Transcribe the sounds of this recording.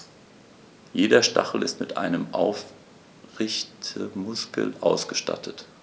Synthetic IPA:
jeːɾɐʃtʰa̰χl̩ɪstmɪtʔa̰ɪnəmʔaʊf | ʁɪçtʰəmʊskll̩ʔaʊsɡ̥əʃta̰tʰət

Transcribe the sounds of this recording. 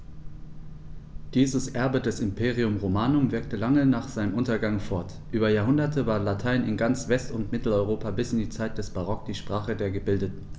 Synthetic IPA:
d̥iːzəsʔɛɐbədɛsɪmpʰeːʁiʊmʁomaːnʊmvɪɐk̚təlaŋənaːχz̥aɪnəmʔʊntɐɡaŋfɔɐt | ʔyːbɐjaːɐɦʊndɐtʰəvaːɐlatʰaɪnɪnɡant͡sv̥ɛstʊntmɪtl̩ɔʏʁoːpabɪsɪndiːt͡saɪt̚d̥ɛsb̥aʁ̞ɔk̚d̥iːʃpʁ̥aːχədeːɐɡəbɪldətn̩

